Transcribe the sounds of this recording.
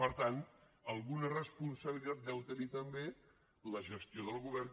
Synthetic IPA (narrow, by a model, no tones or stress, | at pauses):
pəɾt̪ant̪ | əlˠɣunərəspunsəβilit̪at̪̚d̪ɛwt̪ənit̪əmbe | ləʒəst̪ioðəlˠɣuβɛr